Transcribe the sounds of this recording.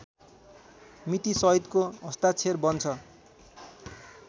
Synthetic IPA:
mit̪isʌit̪koʌst̪at͡sʰerbʌnt͡sʰʌ

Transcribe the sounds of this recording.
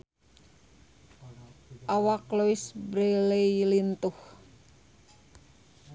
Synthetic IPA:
ʔawakluɪsbɾelejlint̪ʊh

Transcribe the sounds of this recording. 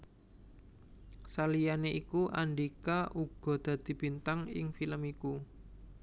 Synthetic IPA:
salijaneʔikuʔa̰ɳɖikaʔuɡ̥ɔ̤d̪̥ä̤d̪̥i̤b̥i̤nt̪aŋɪ̰ŋfiləmiku

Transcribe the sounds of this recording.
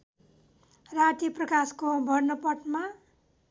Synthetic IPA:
raʈiprʌkaskobʱʌrnʌpʌʈma

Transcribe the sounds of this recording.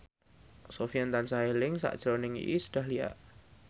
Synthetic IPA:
sofiant̪ansaɦelɪŋsa̰ʔd̥ʒ̥ɾonɪŋḭʔḭsəɖ̥a̤hlia̰ʔ

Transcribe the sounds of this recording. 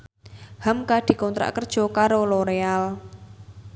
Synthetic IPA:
hamkad̪̥i̤kɔnt̪ɾa̰ʔkərd̥ʒ̥ɔ̤kaɾoloɾeal

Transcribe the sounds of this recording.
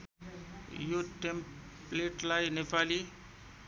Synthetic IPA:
juʈem | pleʈlajnepʰali

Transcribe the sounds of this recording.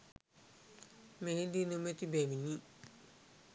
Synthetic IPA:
meɦid̪inomet̪ibemiɲi

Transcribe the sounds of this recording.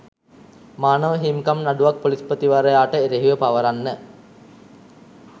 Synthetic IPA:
maːnəʋəɦimkamnaɖuʋak̚polispət̪iʋaɾəjaːʈəeɾeɦiʋəpaʋəɾanːə

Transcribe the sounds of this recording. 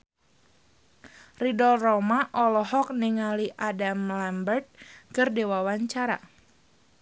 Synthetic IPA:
ridɔlrɔmaʔɔlɔɦɔk̚niŋaliʔadamlɛmbərt̪̚kɨrdewawaɲt͡ʃaɾa̰

